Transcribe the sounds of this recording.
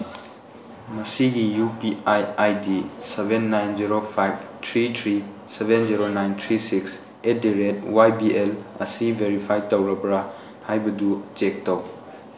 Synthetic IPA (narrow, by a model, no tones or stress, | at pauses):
mɐsiɡijupiajajdisebenːajnziɾopʰajb̚tʰɾitʰɾi | sebenziɾonajntʰɾisiks | ediɾet̚wajbielɐ̰sibʱeɾipʰajtɐwɾɐpɾa | hajbɐdud͡ʒek̚tɐw